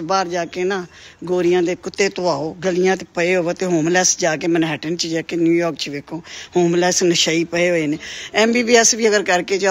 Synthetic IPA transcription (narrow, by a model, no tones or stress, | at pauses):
baːɾd͡ʒaːkeːnãːɡoːɾɪjãːd̪eːkʊt̪ːeːt̪õːaːoːɡəlɪjãːt̪epəeːɦoːoːt̪eːɦoːmlɛːsd͡ʒaːk̬eːmənɦɛːʈənt͡ʃid͡ʒaːkeːnjuːjɔːɾkt͡ʃʋeːkʰõːhoːmlɛːsnəʃaːiːpəeːɦoːeːneːɛːmbiːbiːɛsʋiːəɡəɾkəɾkeːt͡ʃa